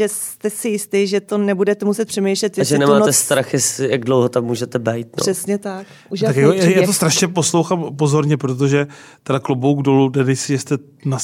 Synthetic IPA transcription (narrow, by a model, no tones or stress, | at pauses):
ʒɛst̪ɛsɪjɪst̪ɪːʒɛt̪onɛbudɛt̪ɛmusɛt̪̚pr̥ɛmejʃlɛt̪jɛʒɛnɛmaːt̪ɛst̪ɾaxjɛslɪjaɡdlowɦot̪ammuːʒɛt̪ɛbɛjt̪̚npor̰̥ɛsɲɛt̪akʔuʒat̪akakojajaːt̪ost̪ɾaʃɲɛposlowxamp̬ozo̞ɾɲɛpɾot̪̬oʒɛ | t̪ɛdaklubowɡdo̞ludɛdɛsɪʒɛst̪ɛ | na